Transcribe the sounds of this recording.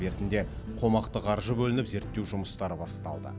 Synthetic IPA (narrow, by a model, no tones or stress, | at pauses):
beɾt̪ɪnd̪e̞ | qʰo̞mɑqt̪əqʰɑɾʒəbɵlɪnɪpze̞ɾt̪ːe̞wʒʊməst̪ɑɾəbɑst̪ɑ̰lˠd̪ə̰